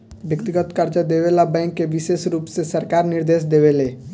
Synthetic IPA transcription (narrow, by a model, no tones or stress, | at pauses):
ʋjəkt̪ɪɡət̪kəɾd͡ʒəd̪eʋelabɛ̃ːŋkːeʋɪʃeːsɾuːpsesəɾkaːɾnɪɾd̪eːsd̪eʋele